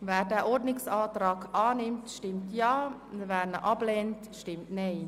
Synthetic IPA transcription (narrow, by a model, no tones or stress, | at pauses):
vɛːɾdɛːʔɔɾdnɪksaːtɾɑːɡʔɑːnɪmtʃtɪmtjɑː | nvæːɾnə̰ʔɑblɛntʃtɪmtnɛɪ